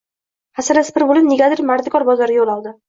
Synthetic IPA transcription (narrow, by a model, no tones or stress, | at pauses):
hasanaspɪɾbʊlɪnnːʲeɡʲad̪ɪɾmaɾd̪ɪkʰɒɾbɒzɒɾɪjolˠɒlˠd̪ɪ